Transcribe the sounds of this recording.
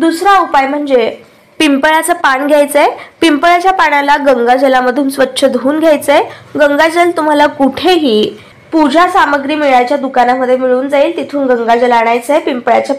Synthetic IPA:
d̪usɾaupajm̤əɳd͡ze | pimpəɭat͡səpaɳɡʱjajt͡səepimpəɭat͡ɕjapaɽalaɡəŋɡad͡ʑəlaməd̪ʱuːnsʋətːɕʰəd̪ʱuːnɡʱjajt͡seɡəŋɡad͡ʑəlt̪um̤alakuʈʰeɦiː | pud͡ʑʱasaməɡɾiːmiɭajt͡ɕjad̪ukanaməd̪ʱjemiɭuːnd͡zaiːlt̪it̪ʰuːnɡəŋɡad͡ʑəlaɽ̃ajt͡sepimpɭja̰t͡ɕa

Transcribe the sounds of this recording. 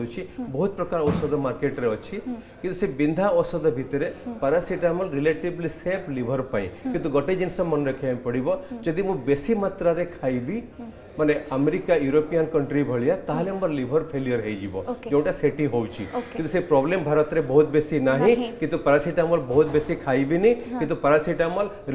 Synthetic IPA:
ut͡ʃʰibɔɦut̪̚pɾəkaɾɔsɔd̪ʱɔmaɾkeʈɾeɔt͡ʃʰikĩnt̪usebind̪ʱaɔsɔd̪ʱbʱit̪ɾepəɾasiʈaməlɾileʈiblisepʰlibʱəɾpaḭ̃kĩnt̪uɡɔʈed͡ʒinsɔmənɾəkʰjampəɽibɔd͡ʒəd̪imũbesimat̪ɾaɾekʰaibi | maneəmeɾikajuɾopijənkəɳʈɾibʱəɭijat̪aɦalembəɾlibʱəɾpʰelijəɾɦejd͡ʒibɔ̰d͡ʒeũɳʈaseʈĩɦowt͡ʃʰḭknt̪usepɾɔblembʱaɾət̪ɾebɔɦut̪̚besinaɦĩkĩnt̪upɐɾasiʈaməlbɔɦut̪̚besikʰajbinikkĩnt̪upəɾasiʈaməl

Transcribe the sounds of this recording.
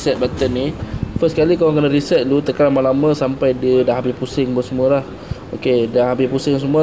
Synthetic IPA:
sɛt̪̚bat̪ənːifəskalikawaŋkənəɾisɛt̪̚lut̪əkaɾamalamãsampajdədaɦabipusɪŋbəsəmualah | okedaɦabipusɪŋs̬əmua

